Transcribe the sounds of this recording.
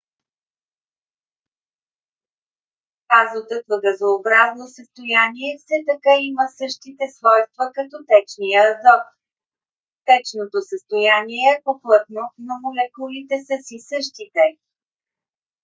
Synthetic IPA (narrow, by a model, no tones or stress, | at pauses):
azot̪ɤk̪vəɡ̪əzɐobɾaznosəst̪ojaniɛfsɛt̪ɐkaiməsɤʃt̪it̪ɛsvɔjst̪vəkɐt̪ɔt̪ɛt͡ʃnijəɐzɔk̪ | t̪ɛt͡ʃnot̪osəst̪ojaniɛɛpoplˠɤt̪nonomolɛkulit̪ɛsəsisɤʃt̪it̪ɛ